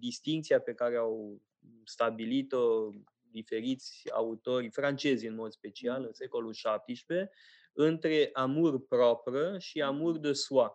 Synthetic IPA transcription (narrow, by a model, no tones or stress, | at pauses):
d̪ist̪iŋk̚t̪siape̞kaɾe̞aw | st̪abilit̪o̞ | d̪ife̞ɾit̪sʲa̰ut̪o̞rʲfɾant͡ʃe̞zʲɨnmo̞d̪spe̞t͡ʃialɨnse̞ko̞lulʃap̚t̪iʃpe̞ | ɨnt̪ɾe̞ʔamurpɾopɾəʃiamurd̪əsua